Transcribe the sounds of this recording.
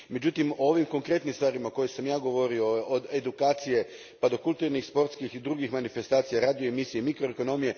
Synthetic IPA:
me̞d͡ʑut̪imoo̞ʋimko̞ŋkɾe̞t̪nimst̪ʋaːɾimaoko̞jesamjaːɡo̞ʋo̞ɾio̞ːd̪ed̪ukaːt̪sije̞ | pad̪o̞kulˠt̪uɾnixspo̞ɾt̪skixid̪ɾuːɡixmanife̞st̪aːt̪sijaɾaːd̪ijoemisijeimikɾoeko̞no̞mije̞

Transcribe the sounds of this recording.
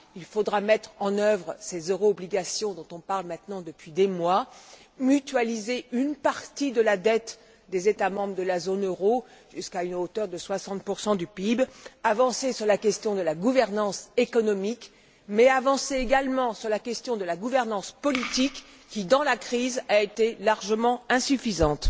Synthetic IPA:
ilfod̪ʁamɛt̪χɑ̃nœvʁəsezøʁoːbliɡasjɔ̃d̪ɔ̃t̪ɔ̃paʁlmɛ̃t̪nɑ̃d̪əpɥid̪emwa | myt̪ɥalizeynpaʁt̪id̪əlad̪ɛt̪ | d̪ezet̪amɑ̃bʁəd̪əlazonøʁoʒ̥yskaynot̪œʁd̪əswasɑ̃t̪̚puʁsɑ̃d̪ypibavɑ̃sesyʁlakʲɛst̪jɔ̃d̪əlaɡuvɛʁnɑ̃sekɔnɔmik | mɛavɑ̃seeɡalmɑ̃syʁlakʲɛst̪jɔ̃d̪əlaɡuvɛʁnɑ̃spɔlit̪ikː | id̪ɑ̃lakχizaet̪elaʁʒəmɑ̃ɛ̃syfizɑ̃t̪

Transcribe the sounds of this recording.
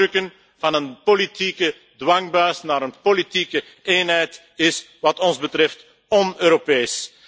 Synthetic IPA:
ɵkən | vɑnənpolitikə | dwɑŋbœːsnaːɾənpolitikə | eːnɦɛjt | ɪs | ʋɑtɔnzbətɾɛft | ɔnøːɾopeːs

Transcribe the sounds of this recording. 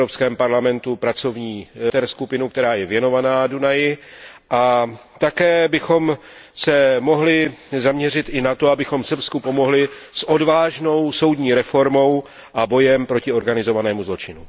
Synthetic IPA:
opskɛːmpaɾlamɛnt̪upɾat͡so̞vɲiːt̪ɛɾskupɪnuk̚t̪ɛɾaːjɛvjɛno̞vanaːdunajɪʔat̪akɛːbɪxo̞m | sɛmo̞ɦlɪzamɲɛr̝ɪt̪ʔɪnat̪o̞abɪxo̞msr̩pskupo̞mo̞ɦlɪsʔo̞dvaːʒno̞wso̞wd̪ɲiːɾɛfo̞ɾmo̞w | ʔabo̞jɛmpɾo̞cɪo̞ɾɡanɪzo̞vanɛːmuzlo̞t͡ʃɪnu

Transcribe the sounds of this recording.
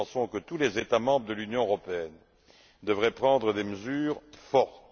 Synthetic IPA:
sɔ̃kət̪ulezet̪amɑ̃bʁəd̪əlynjɔ̃əʁɔpeɛn | d̪əvʁɛpχɑ̃d̪ʁəd̪eməzyːʁfɔʁt̪

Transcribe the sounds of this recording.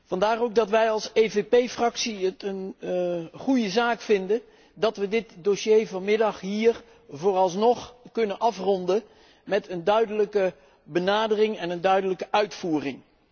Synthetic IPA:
vɑndaːrowɡ̚dɑtʋɛjɑlˠsejvepejfrɑksiətən | χujəzaːkfɪndə | dɑtʋədɪtdoʃejvɑnmɪdɑχɦiːr | voːrɑlˠsnɔχkɵnənʔɑfrɔndə | mɛtəndœɥdələkə | bənaːdərɪŋɛnəndœɥdələkəʔœɥtfuːrɪŋ

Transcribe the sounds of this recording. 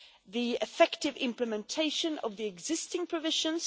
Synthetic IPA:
ðiɪfɛktɨvɪ̰̃mpləmɛ̃ntʰeɪʃɨ̃nʌ̰vðiɨɡzɪstɪ̃ŋpʰɹ̥ɨvɪʒə̃nz̥

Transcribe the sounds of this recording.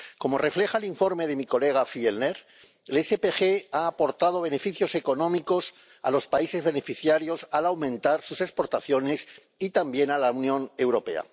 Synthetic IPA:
ko̞mo̞re̞fle̞xaeliɱfo̞ɾme̞ðe̞miko̞le̞ɣ̞afielneɾ | elesepexeaːpo̞ɾt̪aðo̞β̞e̞ne̞fiθjo̞se̞ko̞nõ̞miko̞s | a̰lo̞spaise̞zβe̞ne̞fiθjaɾjo̞salawmẽ̞nt̪aɾsuse̞kspo̞ɾt̪aθjo̞ne̞s | it̪ambje̞nalaunjõ̞ne̞wɾo̞pe̞̰a̰

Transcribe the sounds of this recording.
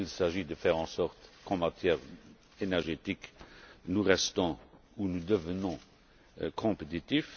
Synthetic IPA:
ilsaʒid̪əfɛʁɑ̃sɔʁt̪kɑ̃mat̪jɛːʁ | enɛʁʒet̪iknuʁɛst̪ɔ̃ | unud̪əvənɔ̃ | kʰɔ̃pet̪it̪if

